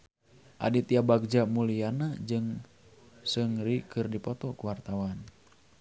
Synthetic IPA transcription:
ʔa̰dit̪iabaɡ̚d͡ʒamulijanad͡ʒɨŋ | sɨŋɾikɨrdipɔt̪ɔkuwart̪awan

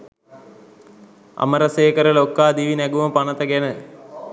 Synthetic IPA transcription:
ɐ̰məɾəseːkəɾəlokːaːd̪iʋinæɡuməpɐnət̪əɡænə

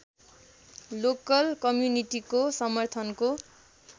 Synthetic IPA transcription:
lokʌlkʌmjuniʈikosʌmʌrt̪ʰʌnko

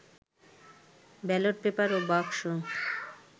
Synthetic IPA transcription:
bɛloʈ̚pepaɾobakʃo

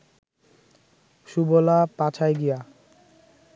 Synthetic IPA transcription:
ʃubolapat͡ɕʰajɡija

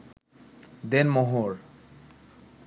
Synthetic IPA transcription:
d̪enmoɦoɾ

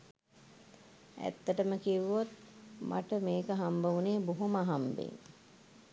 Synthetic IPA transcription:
æ̰t̪ːəʈəməkiʋuot̪̚mʔa̰ʈəmeːkəɦambəʋuneːbuɦumaɦambḛŋ

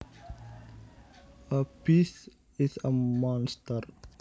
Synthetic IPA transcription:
əpis | ɪzəmɔ̃nstəɾ

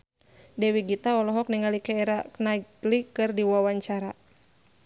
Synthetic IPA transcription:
dɛwiɡit̪aɔlɔɦɔk̚niŋalikɛɛɾanatlikɨrdiwawaɲt͡ʃaɾa

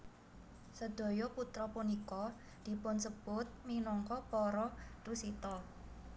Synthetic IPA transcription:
səd̪̥o̤jɔput̪ɾɔpunikɔ | d̪̥i̤pʊnsəb̥ʊt̪̚minɔŋkɔpɔɾɔrusit̪ɔ

